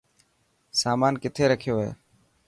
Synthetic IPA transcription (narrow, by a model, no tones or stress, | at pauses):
saːmaːnkɪt̪ʰeːɾəkʰjoːɦḛː